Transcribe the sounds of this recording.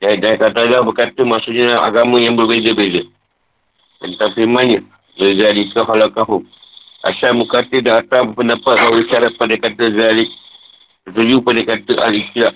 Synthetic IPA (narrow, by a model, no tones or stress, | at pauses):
dadakat̪alahbərkat̪əmaʔsuʔɲəlaa̰ɡamə̃jaŋbərbezəbezə | tənt̪aŋfiɾmãnɲə | bəɡaliskaɦalakaɦʊŋ | ʔa̰ʃambəkat̪ədaat̪apəndapat̪̚bawuləʃaɾat̪̚padakat̪əɡalɪ | ət̪əɾupadəkat̪əʔa̰lit̪ila